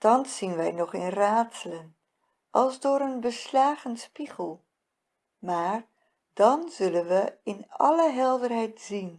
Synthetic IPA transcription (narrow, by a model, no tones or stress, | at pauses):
tɑnsːinʋɛjnɔχɪnraːtsələn | ʔɑlˠzdʊːɾənbəslaːχənspiχəlˠ | maːɹ | d̥ɑnzɵlənʋəɪnɑ̰ləɦɛlˠdərɦɛjtz̥in